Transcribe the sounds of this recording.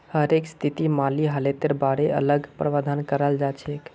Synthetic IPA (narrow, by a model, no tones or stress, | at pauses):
həɾekst̪ʰit̪imaliɦəlet̪eɾbaɽeə̰ləɡpɾəʋad̪ʱankəɾəld͡ʒat͡ʃʰek